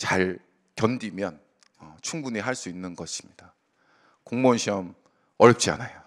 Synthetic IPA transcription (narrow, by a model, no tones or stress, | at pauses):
t͡ɕaɭ | kjʌndimjʌn | ʌt͡ɕʰuŋbuɲiɦaɭs͈uinːɯnɡʌɕʰi̥mɲida | koŋmonɕʰiʌm | ʌɾjʌp̚t͡ɕ͈ia̰najo